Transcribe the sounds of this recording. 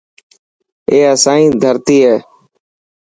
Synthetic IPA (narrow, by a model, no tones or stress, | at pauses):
eːəsãːĩːd̪ʱəɾt̪iːɦɛː